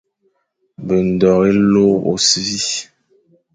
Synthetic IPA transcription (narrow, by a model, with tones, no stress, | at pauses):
bə˨n̩˨dɔ˨ɣe˦lo˦o̰˨svi˦